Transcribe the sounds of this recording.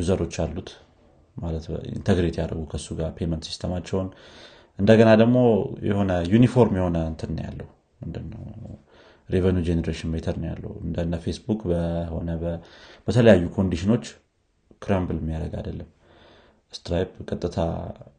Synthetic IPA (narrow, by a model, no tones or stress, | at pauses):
juzəɾo̞t͡ʃːalːut̪ | malət̪ḭnt̪ʰəɡɾet̪jaɾə̰ɡukʰəsːuɡaɾpʰe̞mənt̪si̥st̪ʰəmat͡ʃːɛwn | ʔɨnd̪əɡənad̪əɡmo̞jɛ̰ho̞nəjunifo̞ɾmjɛho̞nəɨnt̪ʰɨnnːə̰ja̰lːə̰hu | mɨnd̪ɨnːə̰w | ɾevənjud͡ʒenəɾeʃɪnmet̪ʰəɾnja̰lːə̰huɨ̰nd̪ənːəfe̞sbukbəho̞̰nəbəb̥ət̪ʰələjajːukʰo̞nd̪iʃino̞t͡ʃː | kʰɾambɨlmːijaɾəɡa̰d̪əlːəm | st̪ɾajbkʼət̪ʼːɨt̪ʰa̰